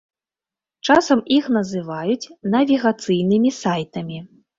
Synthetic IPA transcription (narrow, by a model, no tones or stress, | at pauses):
t͡ʂasɐmixnɐzɨvajut͡sʲnɐvʲiɣat̪sɨjnɨmʲisajt̪ɐmʲi